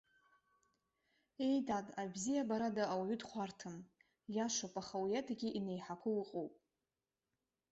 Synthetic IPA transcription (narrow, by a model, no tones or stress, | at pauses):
ejdadabzijabaɾadaawaɥʏdχʷartʰɨm | jaʃʷopʼaχawjatʰaɡʲiʔine̞jħakʷʰʊlɨqʼowpʼ